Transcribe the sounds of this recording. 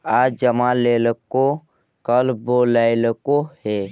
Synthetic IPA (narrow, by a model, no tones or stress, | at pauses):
aːd͡ʒəmãleːləko | kəlboːlaːeləkohe